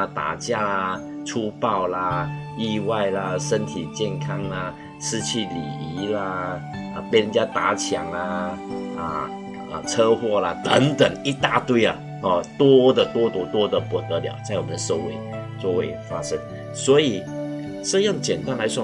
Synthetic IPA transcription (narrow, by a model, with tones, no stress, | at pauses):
t̪a̰˨˩t͡ɕja˥˧ə˩ʈ͡ʂʰu˥pɑ˥˧ʊlə˩i˥˧wa˥˩ɪlə˩ʂə˥nt̪ʰi˨˩t͡ɕjɛ˥˩nkʰɑ˥ŋlə˧ | ʂɻ̩˥t͡ɕʰi˥˩lḭ˨˩i˧˥lə˧ | ə˧˩pe˥˩ɻə˧˦nt͡ɕja˥t̪a˧˥t͡ɕʰja̰˨˩ŋlə˧ə˨˩ | ə˨˩t͡sʰɤ˥xwɔ˥˩lə˨t̪ə˧˥ŋt̪ə˨˩ŋi˥t̪a˥˧t̪we˥˧ɪə˨˩ | ɔ˥˧˩t̪wɔ˥d̪ə˨t̪wɔ˥t̪wɔ˥t̪wɔ˥d̪ə˨pu˨˩t̪ə˧˦lja̰˨˩ʊt͡sa˥˩ɪwɔ˨˩mə˦nə˧so˥˧ʊwḛ˥˩ɪ | t͡swɔ˥˧we˥˩ɪfa˥ʂə˥ŋ | swɔ˧˥i˨˩ | ʂ̩˥˧jʊ˥˩ŋt͡ɕjɛ˨˩nt̪a˥nla˧˥ɪʂwɔ˥